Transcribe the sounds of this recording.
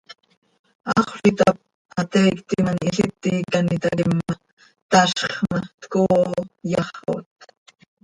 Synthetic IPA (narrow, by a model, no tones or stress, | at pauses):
ɑχʷɬɪt̪ap̚ | at̪ejkt̪imanɪɬɪt̪ːiːkanɪt̪akɪmːa | t̪aʃχmat̪koːjɑχo̰t̪